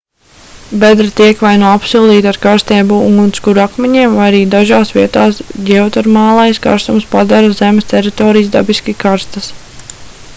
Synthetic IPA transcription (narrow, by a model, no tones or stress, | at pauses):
bɛd̪ɾat̪iɛkʋajnuɔapsulˠd̪iːt̪aɾkaɾst̪eːbuṵŋɡunt̪skuɾakmɛɲiɛmvajaɾiːd̪aʒaːsʋiɛt̪aːsɡʲɛwt̪aɾmaːlˠajska̰ɾst̪umspad̪aɾazemest̪ʲɛɾit̪ɔːɾijzd̪abiskikaɾst̪ɐs